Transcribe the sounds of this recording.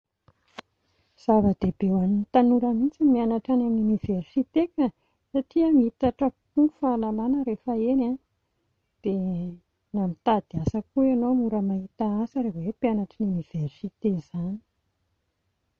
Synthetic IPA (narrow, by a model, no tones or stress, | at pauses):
z̥avəd̪̥eb̥ewanint̪anuɾəmit͡simianaʈ͡ʂananuniversit̪eka | saʈ͡ʂiəmiit̪aʈ͡ʂəpuufalalanəɾefəena | d̪̥e | namit̪ad̪̥iasəkuenomuɾəmaɦit̪aasəɾewepianaʈ͡ʂinuniv̥ersit̪ezani̥